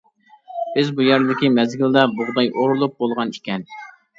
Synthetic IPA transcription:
b̥ɪzbujæɾd̪ɪkʲimɛzɡʲild̪ɑbʊʁd̪ɑjʔoɾulˠup̚bolˠʁɑnikʲʰɛn

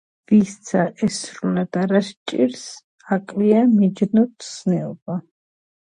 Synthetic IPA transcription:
vist̪sʰaʔɛsɾulad̪aɾaʃt͡ʃʼḭɾs | akʼliamid͡ʒnɔt̪snɛɔba

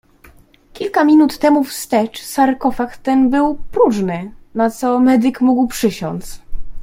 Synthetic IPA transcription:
kʲilkamʲinut̪ːɛmufst̪ɛt͡ʂsaɾkɔfakt̪ːɛnbɘwpɾuʐnɘnat̪sɔmɛd̪ɘkmuɡwpʂɘɕɔnt̪s

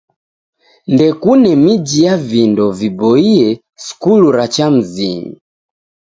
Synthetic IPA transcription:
ndɛkunɛmid͡ʒijavindɔvibɔiɛ | skuluɾat͡ʃam̩ziɲḭ

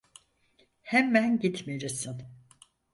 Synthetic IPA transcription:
hæmːænɟit̪meɾisin

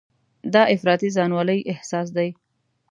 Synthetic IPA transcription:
d̪ɑʔɪfɾɑt̪izɑnwɑləjʔɪhsɑs̬d̪aj

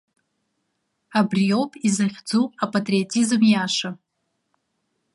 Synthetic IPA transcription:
abrijo̞wpʼizaχʲd͡zuapʼatʼriotʰizɨmjaʂa

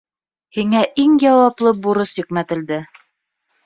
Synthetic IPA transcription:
hiŋæʔiŋjɑwɑplˠɤbuɾɤsjĭkmæt̪ɘ̆ld̪ɘ

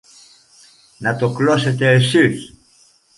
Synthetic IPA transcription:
nat̪okloset̪esiç

